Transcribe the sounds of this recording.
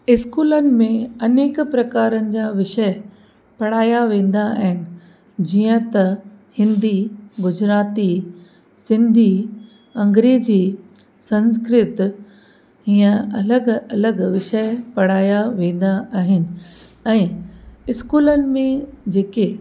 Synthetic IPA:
ɪskuːlənɪ̆mẽɐneːkpɾɐkaːɾənɪ̆d͡ʑaːʋɪʃə | pɐɽ̤aːjaʋẽːn̆d̪aːɦɪnɪ̆ | d͡ʑiːə̃t̪ɐ | hɪ̃nd̪iɡʊd͡ʑɾaːt̪i | sɪ̃nd̪ʱi | ɐ̃ŋɡɾeːd͡ʑiː | sɐ̃nskɾɪt̪ | iːə̃ɐləɡɐləɡʋɪʃəpɐɽ̤aːjaʋẽːn̆d̪aaːɦɪnɪ̆ | ɛ̃ːɪskuːlənɪ̆mẽd͡ʑeːke

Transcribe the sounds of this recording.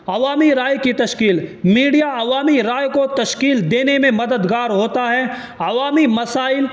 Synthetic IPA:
ɐʋaːmiɾaːjkit̪ɐʃkiːlmiːɖijaɐʋaːmiɾaːjkot̪ɐʃkiːld̪eːnemẽmɐd̪əd̪ɡaːɾɦoːt̪aɦɛ | ɐʋaːmimɐsaːɪl

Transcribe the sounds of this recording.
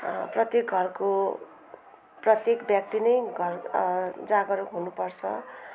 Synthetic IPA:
prʌt̪jek̚ɡʱʌrko | prʌt̪jekbjak̚t̪inʌjɡʱʌrd͡zaɡʌɾukɦunupʌrt͡sʰʌ̰

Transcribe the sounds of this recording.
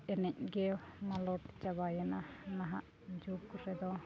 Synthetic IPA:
ɛnɛc̚ɡɛmalɔʈi̥t͡ʃabajananaɦaʔ | d͡ʒukːusɛd̪ɔ

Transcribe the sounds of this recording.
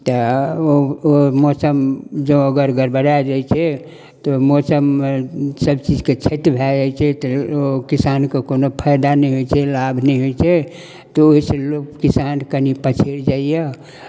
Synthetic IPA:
t̪ɔoomɔsəmd͡ʒõəɡəɾɡəɾbəɾad͡ʒajt͡ʃʰɛ | t̪omɔsəmːesəbt͡ʃid͡ʒket͡ʃʰet̪bʱɛd͡ʒat͡ʃʰɛt̪ɔokisankekonopʰəjd̪anɛjɦojt͡ʃʰɛlabʱnɛjɦojt͡ʃʰɛ | t̪ɔoɦisẽlokkisankənipət͡ʃʰeɾd͡ʒaije

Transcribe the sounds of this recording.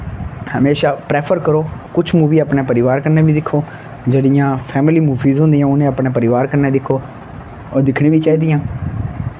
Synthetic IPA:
həmeːʃaːpɾeːpʰəɾkəɾoːkʊt͡ʃʰmuːʋiːaːpɳeːpəɾɪʋaːɾkəɾnẽːʋiːd̪ɪkʰːoː | d͡ʒeːɽɪjãːpʰɛːmɪliːmuːfiːzɦʊ̃nd̪ijãːʊnẽːəpɽneːpəɾɪʋaːɾkəɾneːd̪ɪkʰoː | ɔːɾd̪ɪkʰɽ̃ẽːʋiːt͡ʃaːiːd̪ɪjãː

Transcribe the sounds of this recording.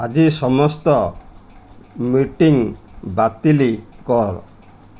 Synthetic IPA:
ad͡ʒisɔmɔst̪ɔ | miʈiŋbat̪ilikɔɾ

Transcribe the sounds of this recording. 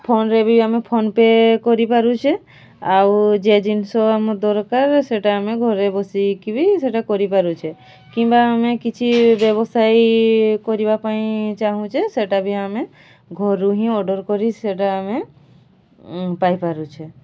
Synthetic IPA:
pʰonɾɛbiamepʰonpekɔɾipaɾut͡ʃʰɛ | awd͡ʒed͡ʒinsɔamɔd̪ɔɾkaɾseʈaːmeɡʱɔɾebɔsikibiseʈakɔɾipaɾut͡ʃʰe | kĩmbaːmekit͡ʃʰibɛbɔsajkɔɾibapaĩt͡ʃaɦũt͡ʃʰeseʈabʱiame | ɡʱɔɾuɦĩɔɖɔɾkɔɾiseʈaːme | pajpaɾut͡ʃʰe

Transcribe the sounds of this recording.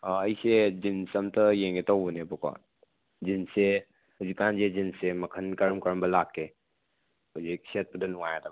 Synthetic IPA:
ɐjsed͡ʒinsɐmtɐjeŋɡetowbunebɔkɔ̰ | d͡ʒinse | huzikːanzezinsemɐkʰɐnkɐɾmkɐɾmbɐlakːe | huzik̚set̚bədɐnuŋajatab

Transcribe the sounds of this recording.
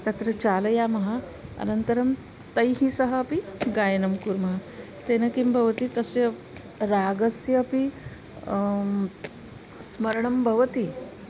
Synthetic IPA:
t̪ɐt̪ɾət͡ɕalɐjamɐɦa | ɐ̰nənt̪əɾɐm | t̪əjɦisəɦəːpiɡajnɐmkuɾmɐɦa | t̪enɐkimbʱɐʋt̪it̪əse | ɾaɡɐsjɐɐpi | smɐɾɳɐmbʱəʋt̪i

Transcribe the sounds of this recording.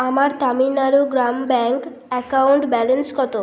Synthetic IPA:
amaɾt̪aminaɾuɡɾambɛŋk | ɛkawuɳʈbɛlenskɔt̪o

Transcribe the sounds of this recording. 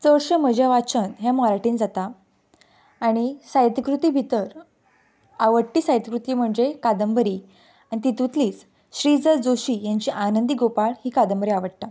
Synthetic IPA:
t͡səɭɕəməd͡ʑaʋat͡ɕənɦɛmɔɾaʈiːnd͡zat̪a | ɽ̃isajt̪kɾut̪iːbʱit̪əɾ | aʋəɽʈ̪iːsajt̪əkɾut̪iːm̤əɳd͡zekad̪əmbəɾiː | ãit̪it̪ut̪liːt͡s | ɕɾid͡zəd͡zoɕiːjaɲt͡ɕiːʔanənd̪iɡopaɭhiːkad̪əmbəɾiaʋəɽt̪a

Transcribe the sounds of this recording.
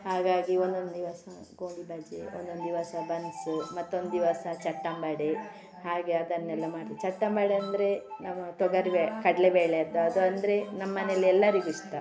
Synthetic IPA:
haːɡaːɡiond̪o̞nd̪d̪iʋasɐ | ɡoːɳɖibʱɐd͡ʒḛond̪o̞nd̪d̪iʋasɐbɐnsumɐt̪ːuond̪d̪iʋasɐt͡ʃɐʈːambɐɽe | haːɡe̞ɐd̪ɐnnɛlːɐmaːʈt̪ɐt͡ʃɐʈːambaɽeɐnd̪ɐɾe̞nɐmːɐt̪ɔɡɐɾbekɐɽɐlebeːɭeɐd̪ːuɐd̪uɐnd̪ɐɾe̞nɐmːɐneɐlːiɛlːɐɾiɡuʂt̪ɐ

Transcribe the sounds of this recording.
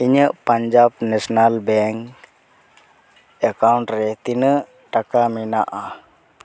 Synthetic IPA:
iɲəʔpaɲd͡ʒabnɛsɔnalbɛŋk | ɛkawɳʈɾɛt̪inəʔ | ʈakaminaʔa

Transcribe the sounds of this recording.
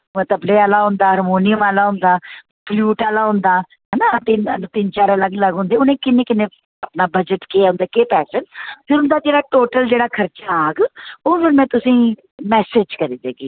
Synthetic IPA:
ʊ̃t̪əbleːaːlaːɦʊ̃nd̪aːɦəɾmoːnɪjəmaːlaːɦʊ̃nd̪aː | pluːʈaːlaːɦʊ̃nd̪aː | ɦɛnaːt̪enət̪ɪnt͡ʃaːɾələɡləɡɦʊ̃nd̪eːʊnẽːkɪnẽːkɪnẽː | əpnaːbəd͡ʒəʈkeaːʊ̃nd̪aːkeːpɛːsənpʰɪɾɦʊ̃nd̪aːd͡ʒeːɽaːʈoːʈəld͡ʒeːɽaːkʰəɾt͡ʃaaːɡoːʋɪnmɛ̃ːt̪ʊsĩː | mɛːseːd͡ʒkəɾiːd̪eːɡiː

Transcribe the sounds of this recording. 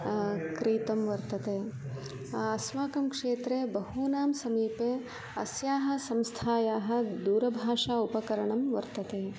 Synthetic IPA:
kɾiːt̪ɐmʋɐɾt̪ɐt̪eː | ɐsmaːkɐmkʂeːt̪ɾeːbɐɦuːnaːmsɐmiːpeː | ɐsjaːɦɐ̆sɐmst̪ʰaːjaːɦɐ̆d̪uːɾɐbʱaːʂaːupɐkɐɾɐɳɐmʋɐ̰ɾt̪ɐt̪eː

